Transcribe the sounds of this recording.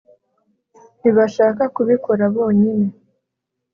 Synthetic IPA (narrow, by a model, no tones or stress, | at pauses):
niβaʃaːkakuβiko̞ɾaβo̞ːɲine̞